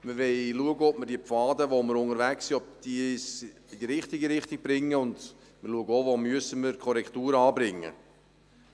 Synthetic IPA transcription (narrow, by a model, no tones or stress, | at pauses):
məʋɛɪluəɡəɔp̚mərd̥iːəpfɑːd̪əʋoməɾʊŋəɾʋæksiɔp̚d̪̥is | ɪd̪iɾɪχt̪ɪɡiɾɪχt̪ɪɡ̥̚b̥ɾɪŋːəʊnd̪ | məluəɡəovomyəsəməɾkʰɔɾɛkχt̪uːɾɑːbɾɪŋːə̰